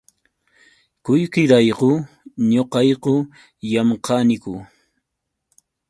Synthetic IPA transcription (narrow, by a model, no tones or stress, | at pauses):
kʊjkɪɾɑjqʊ | ɲoqɑjqʊ | jamqɑnɪkʊ